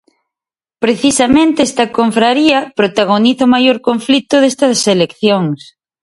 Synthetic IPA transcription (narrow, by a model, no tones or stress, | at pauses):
pɾeθisɐmẽnt̪eɛst̪ɐkoɱfɾaɾiɐpɾot̪aɣ̞oniθɐomajoɾkoɱflit̪ʊðest̪ɐselekθjoŋs